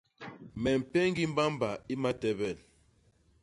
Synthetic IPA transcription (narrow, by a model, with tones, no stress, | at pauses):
mɛ˨m̩˨pɛ˦ŋ˦ɡi˦m̩˦ba˦m˦ba˨i˦ma˦tɛ˦bɛ˨n